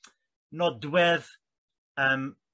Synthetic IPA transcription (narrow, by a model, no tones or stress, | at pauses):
nɔdwɛð | əːm